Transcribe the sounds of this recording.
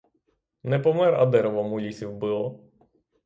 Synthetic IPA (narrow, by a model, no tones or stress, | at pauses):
nɛpɔmɛɾɐ̰d̪ɛɾɔʋɔmulʲisʲiwbɨlˠɔ